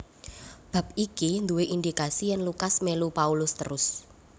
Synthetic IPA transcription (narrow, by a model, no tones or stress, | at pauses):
b̥a̤p̚ikind̪uweʔind̪ikasijɛnlukasmelupaulʊst̪ə̰ɾʊs